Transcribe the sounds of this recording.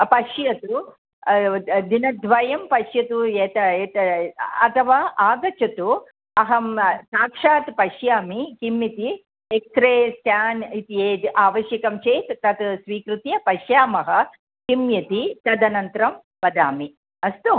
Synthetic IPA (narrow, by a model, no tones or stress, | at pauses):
pɐʃjɐt̪u | d̪inɐd̪ʋɐjɐmpɐʃjɐt̪ueːt̪ɐeːt̪ɐɐt̪ʰɐʋaːʔaːɡɐt͡ʃɐt̪u | ɐɦɐmsaːkʂaːt̪pɐʃjaːmikimjit̪i | ek̚t̪ɾeːsʈ̪jaːnit̪ieːiʔaːʋɐʃjɐkɐmt͡ʃeːt̪t̪ɐt̪sʋiːkɾut̪jɐpɐʃjaːmɐɦɐ | kimjɐt̪it̪ɐd̪ɐnɐnt̪ɾɐm | pɐd̪aːmi | ɐst̪u